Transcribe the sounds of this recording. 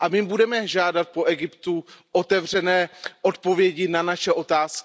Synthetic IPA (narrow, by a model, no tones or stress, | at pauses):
ʔamɪmbudɛmɛʒaːdat̪̚po̞ʔɛɡɪpt̪uʔo̞t̪ɛvr̝ɛnɛːʔo̞t̪̚po̞vjɛɟɪnanaʃɛʔo̞t̪aːskɪ